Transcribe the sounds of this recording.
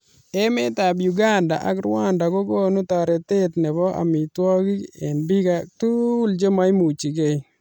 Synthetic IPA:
e˦me˦ta˨bju˨ɡa˦nda̰˨ʔa̰˨˦kɾwa˦nda˨ko˦ɡo˦nu˦tɔ˨ɾɛ˨te˦tnɛ˨bɔ˦ʔa̰˨mi˨twɔ˦ki˦e˨nbi˦ka˨tu˦ld͡ʒo˦ma˦i˦mu˨t͡ʃi˨ɡe˦j

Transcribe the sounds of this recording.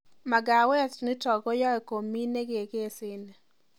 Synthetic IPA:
ma˨ɡa˨wɛ˦tnɪ˦tɔ˨ɡɔ˦jɔ˦ɛ˨ko˨mːi˦ne˦ɡe˨ɡe˦˨sɪ˦n

